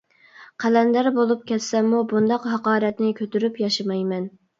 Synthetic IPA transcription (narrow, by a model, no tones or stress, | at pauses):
qʰælɛnd̪æɾbolˠup̚kʲɛt̪sɛmːubund̪ɑqɦɑqɑːɾɛt̪nɪkʲʰøt̪yɾypjɑʃɨmɑjmɛn